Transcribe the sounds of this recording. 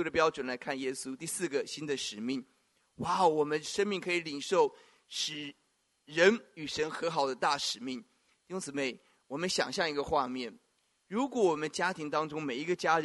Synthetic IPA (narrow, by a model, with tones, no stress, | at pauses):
u˥ɾə˨˩p̬jɑ˥ʊʈ͡ʂwə˨˩nla˧˥ɪkʰa˥˩njɛ˥su˥t̪i˥˧sɹ̩˥˩ɡə˩ɕi˥nd̪ə˨ʂɻ̩˨˩mi˥˩ŋ | wa˥˩ʊwɔ˨˩mə˦nʂə˥nmi˥˩ŋkʰɤ˧˥i˨˧˩li˨˩ŋʂo˥˩ʊ | ʂɻ̩˨˩ | ɻə˧˥ny˨˩ʂə˧˥nxɤ˧˥xɑ˨˩ʊd̪ə˦t̪a˥˩ʂɻ̩˨˩mi˥˩ŋ | t̪i˥˩ɕʊ̃˥ŋt͡sɹ̩˨˩me˥˩ɪ | wɔ˨˩mə˦nɕjɑ̰˨˩ŋɕjɑ˥˩ŋi˧˥ɡə˧xwa˥˧mjɛ˥˩n | ɻu˧˥kwɔ˧˥wɔ˨˩mə˦nt͡ɕja˥t̪ʰi˧˥ŋt̪ɑ˥ŋʈ͡ʂʊ˥ŋme˨˩ɪi˧˥ɡə˧t͡ɕja˥ɻ